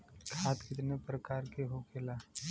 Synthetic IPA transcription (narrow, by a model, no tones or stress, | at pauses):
kʰaːt̪kɪt̪nepɾəkaːɾkeɦokʰelaː